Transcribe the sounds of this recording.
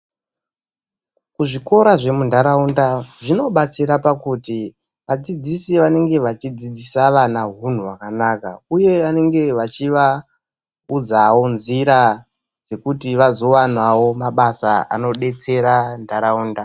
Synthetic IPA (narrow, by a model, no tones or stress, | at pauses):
kuʐiko̞ɾaʐe̞mundʱaɾaundaʐino̞ɓat͡siɾapakuti | ʋad͡zid͡zisiʋane̞ŋɡe̞ʋat͡ʃid͡zid͡zisaʋanaɦun̤uwakanaːkauje̞ane̞ŋɡe̞ʋat͡ʃiʋa | ud͡zawo̞nziɾa | d͡ze̞kutiʋazo̞wanwawo̞maɓasa̰a̰no̞ɗe̞t͡se̞ɾandaɾauːnda